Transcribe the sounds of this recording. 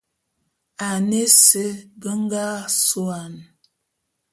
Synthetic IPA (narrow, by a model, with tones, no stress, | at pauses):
a˨ne˦sə˦ɡə˦ŋ˦ɡa˦so˦a˨n